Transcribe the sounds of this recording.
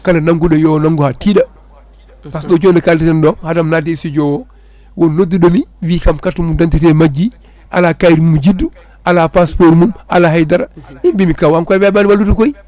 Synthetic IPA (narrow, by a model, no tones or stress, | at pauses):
kanɐnaŋɡuɗojownaŋɡuhatida | pas̬ɗod͡ʒoːndɐkaltitandɔhadamnadesid͡ʒowo | wonoduɗomiwikamkatːumudantit̬emad͡ʒi | ʔa̰lakajɾmumud͡ʒidːu | alapaspoɾmuma̰laɦajdaɾaimbimikawaŋkojbebanbalutukoi